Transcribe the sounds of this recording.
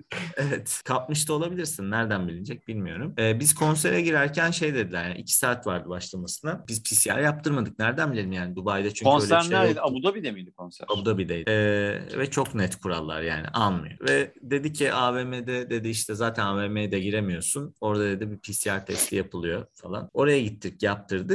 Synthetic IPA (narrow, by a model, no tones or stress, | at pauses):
evɛt̪kʰap̚mɯʃt̪ʰao̞lˠabilʲiɾsinːæɾd̪ænbilʲind͡ʒɛc̚bilʲmijo̞ɾumɛːbiz̥kʰo̞ns̬eɾɛɟiɾæɾcʰænʃe̞jd̪e̞d̪ilʲæɾjaɾʔḭcʰi̥saːt̪vaɾd̪ɯbaʃlˠamasɯnab̥izpʰisija̰ɾjap̚t̪ʰɯɾmad̪ɯk̚næɾd̪ænbilʲeɾimjaːnid̪ubajd̪at͡ʃʰyɲonøjlʲæɾæɾed̪abud̪abid̪emid̪ikʰonsæ̰ɾabud̪abid̪ejɛvɛt͡ʃʰo̞knɛt̪kʰuɾa̰lˠːa̰ɾja̰ːnḭʔalˠmɯ̰jo̰vɛd̪e̞d̪icʰiʔaːvemed̪ɛd̪e̞d̪iiʃt̪ʰɛzaːt̪ʰænaveːmejd̪ɛɟiɾemijo̞suno̞ɾd̪ad̪e̞d̪ibipʰisiaɾt̪ʰɛst̪ʰijapʰɯlˠɯjo̞falˠa̰no̞ɾajaɟit̪ʰːiɾcjap̚t̪ʰɯɾd̪ɯ